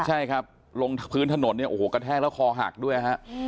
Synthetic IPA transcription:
t͡ɕʰa˥˩jkʰa˦˥p̚ | lo˧ŋpʰɯː˦˥nt̪ʰa˧no˨˩˦nːi˥˩ɐʔoː˨˩˦ka˧t̪ʰɛː˦˥˩klɛː˦˥wkʰɔː˧ɦa̰˨˩k̚du˥˩əjkʰa˦˥ʔ

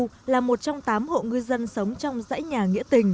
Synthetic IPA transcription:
laː˨˩mo˨˩t̚t͡ɕɔ˧wŋ͡mt̪aː˨˦mho̰˧˨ŋɨ˧əjzə˧nsə˨˦wŋ͡mt͡ɕɔ˧wŋ͡mza̰ː˧˥jɲaː˨˩ŋḭ˧˥ət̪ï˨˩ŋ̟

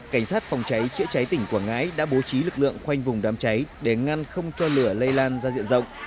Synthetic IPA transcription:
ka˧˩jŋ̟saː˦˥t̚fa˨˩wŋ͡mt͡ɕa˨˦jt͡ɕɨ̰˧˥ət͡ɕa˨˦jt̪ï˧˩ŋ̟kwaː˧˩ŋa̰ː˧˥jɗa̰ː˧˥ɓo˨˦t͡ɕi˨˦lɨ˨˩k̚lɨ̰˧˨əŋxwa˧jŋ̟vʊ˨˩ŋ͡mɗaː˨˦mt͡ɕa˨˦jɗe˧˩ŋa˧nxə˧wŋ͡mt͡ɕɔ˧lɨ˧˩ələ˧jlaː˧nzaː˧zḭ˧˨ənzə̰˧˨wŋ͡m

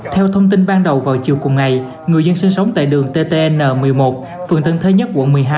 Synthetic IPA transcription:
t̪ʰɛ˧wt̪ʰə˧wŋ͡mt̪i˧nɓaː˧nɗə˨˩wvaː˨˩wt͡ɕḭ˨əwkʊ˨˩ŋ͡mŋa˨˩j | ŋɨ˨˩əjzə˧nsï˧ŋ̟sə˨˦wŋ͡mt̪a̰ː˧˨jɗɨ˨˩əŋt̪e˧t̪e˧ʔɛ˧nːəː˨˩mɨ˨˩əjmo˨˩t̚ | fɨ˨˩əŋt̪ə̰˧˩nt̪ʰe˧ɲə˦˥t̚ku˧˩əmɨ˨˩əjɦaː˧

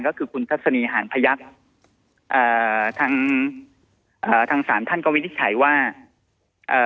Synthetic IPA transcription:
ŋkɔː˥˩kʰɯː˧kʰu˧nt̪ʰa˦˥t̚sa˧niː˧˩ɦaː˩˦npʰa˧ja˦˥k̚ | ʔɤː˨˩t̪ʰaː˧˥ŋ | ʔaː˨˩t̪ʰaː˧ŋsaː˩˦mt̪ʰa˥˩nka˧wi˦˥i˥t͡ɕʰa̰˩˦jwaː˥˩ | ʔɤː˨˩

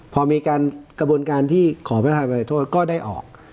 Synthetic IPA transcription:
pʰɔː˧miː˧kaː˧nkɾa˧bu˧ənkaː˧nt̪ʰiː˥˩kʰɔː˩˦pʰpʰaː˨˧ma˧a˨˩t̪ʰoː˥˩t̪̚kɔː˥˩daː˥˩jʔɔ̰ː˨˩k̚

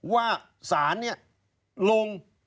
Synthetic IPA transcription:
waː˥˩ | saː˩˦nːi˥˩ɐ | lo˧ŋ

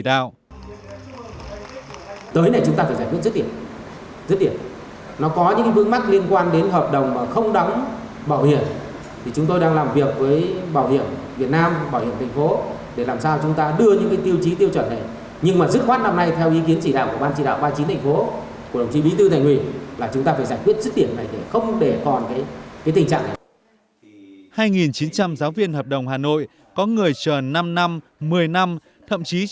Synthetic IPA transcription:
a˧ | t̪əː˨˦jna˨˩jt͡ɕʊ˨˦ŋ͡mt̪aː˧faː˧˩zaː˧˩jkwi˦˥nzt̚ɗi˧˩ə | zɨ˦˥t̚ɗi˧˩əp̚ | nɔ˨˦kɔ˨˦ɲɨ̰˧˥ŋka˨˦vɨ˧˦əŋma˦˥k̚li˧ənkwaː˧nɗe˨˦nɦəː˨˩p̚ɗə˨˩wŋ͡mmaː˨˩xə˧wŋ͡mɗa˨˦wŋ͡m | ɓaː˧˩whi˧˩ən | t̪ʰi˨˩t͡ɕʊ˨˦ŋ͡mt̪o˧jɗaː˧ŋlaː˨˩mvi˨˩ək̚vəː˨˦jɓaː˧˩whi˧˩ənvi˨˩ət̚naː˧mɓaː˧˩whi˧˩ənt̪ʰjŋ̟fo˨˦ | ɗe˧˩laː˨˩msaː˧wt͡ɕʊ˨˦ŋ͡mt̪aː˧ɗɨ˧əɲɨ̰˧˥ŋkaː˨˦jt̪i˧əwt͡ɕi˨˦t̪i˧əwt͡ɕə˧˩na˨˩j | ɲɨ˧ŋmaː˨˩zɨ˦˥t̚xwaː˦˥n̚na˧mna˧jt̪ʰɛ˧wʔi˨˦ki˨˦ənt͡ɕi˧˩ɗa̰ː˧˨wku˧˩əɓaː˧nt͡ɕi˧˩ɗa̰ː˧˨wɓaː˧t͡ɕi˨˦t̪ʰa˨˩jŋ̟fo˨˦ | ku˧˩ɗə˨˩ŋ͡mt͡ɕi˧˦ɓi˨˦t̪ɨ˧t̪ʰaː˧˩ŋwḭ˧˩laː˨˩t͡ɕʊ˨˦ŋ͡mt̪aː˧faː˧˩jzaː˧˩jŋkwi˦˥t̚zɨ˦˥k̚ɗi˧˩əmna˨˩jt̪ʰe˧˩xə˧wŋ͡mɗe˧˩kɔ˨˩nkaː˨˦jkaː˨˦t̪ï˨˩ŋ̟t͡ɕa̰ː˧˨ŋna˨˩j | haː˧jŋi˨˩nt͡ɕi˨˦nt͡ɕa˧mzaː˨˦wvi˧ənhəː˨˩p̚ɗə˨˩wŋ͡mɦaː˨˩no̰˧˨j | kɔ˨˦ŋɨ˨˩əjt͡ɕəː˨˩na˧mna˧m | mɨ˨˩əjna˧m | t̪ʰə̰˧˨mt͡ɕi˨˦

